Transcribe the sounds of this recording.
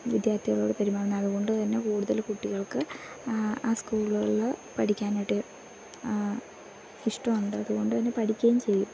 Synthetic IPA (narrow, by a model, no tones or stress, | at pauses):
ʋid̪jaːrt̪ʰiɣɐɭo̞ːɽepɐɾimaːɳɐnːɐðuɣo̞ɳɖɨt̪ɐnːe̞kuːɽuðɐlkuʈːiɣɐɭkɨ | aːskuːɭɐɭpɐʈʰikʲːaːneʈːɨ | iʂʈɐmuɳɖɨɐðuɣo̞ɳɖɨt̪ɐnːe̞pɐʈʰikʲːɐjumt͡ɕe̞jːum